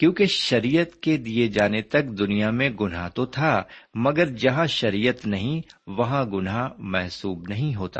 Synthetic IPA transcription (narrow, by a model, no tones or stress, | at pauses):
kjõːkeʃɐɾiːjət̪ked̪ied͡ʒaːnet̪ɐkd̪ʊnijamẽɡʊnɦat̪ot̪ʰaːmɐɡəɾd͡ʒɐɦãʃɐɾiːjət̪nɐɦĩʋɐɦãɡʊnamɛɦsuːbnɐɦĩɦoːt̪a̰ː